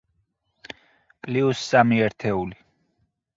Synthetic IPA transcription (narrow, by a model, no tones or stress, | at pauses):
kʼliusːamiɛɾt̪ʰɛuli